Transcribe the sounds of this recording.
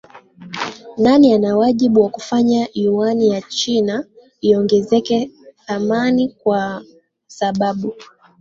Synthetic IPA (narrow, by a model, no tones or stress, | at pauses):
nanianawaʄiɓuwakufaɲaiwanijat͡ʃina | iɔŋɡɛzɛkɛθamanikwa | saɓaɓu